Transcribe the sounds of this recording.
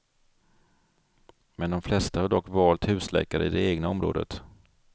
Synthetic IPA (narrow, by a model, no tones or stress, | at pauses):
mɛnd̪ɔmflɛst̪ahaɖɔkːvɑːlt̪hʉ̟ːslɛ̰ːkaɾəɪd̪ɛeːɡnaɔmɾo̰ːd̪ə̰t̪